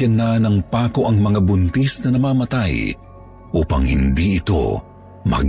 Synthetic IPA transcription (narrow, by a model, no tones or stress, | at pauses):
ɐnːɐnɐŋpaːko̞ʔɐŋmɐŋabʊnt̪isnɐnɐmaːmɐt̪aj | ʔuːpɐŋhɪnd̪iɪt̪o̞̰ | mɐ̰ɡ